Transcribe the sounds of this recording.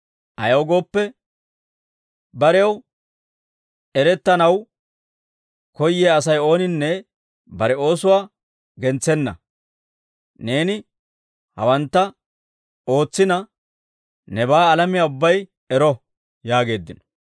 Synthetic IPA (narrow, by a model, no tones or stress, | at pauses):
ʔɐ̰jɐwɡo̞ːpːɛ | bɐɾɛjɐw | ɛɾɛt̪ːɐnɐw | kɔjːeːɐsɐjo̞ːnɪnːɛ | bɐɾɛo̞ːsʊwaː | ɡɛnt͡sːɛnːɐ̰ | ne̞ːnɪ | hɐ̰wɐnt̪ːɐ | o̞ːt͡sːɪnɐ | nɛbaːlɐmɪjaːʊbːɐj | ɛɾɔ | jaːɡe̞ːd̪ːɪnɔ̥